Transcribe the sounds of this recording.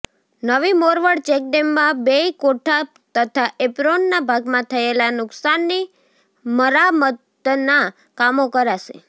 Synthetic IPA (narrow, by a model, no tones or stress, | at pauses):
nəʋimoɾʋəɽt͡ʃɛk̚ɖemːãbeikoʈʰa | t̪ət̪ʰaʔepɾonːabʱaɡmãt̪ʰəelanʊksanːi | məɾamət̪ | na | kamokəɾaʃḛ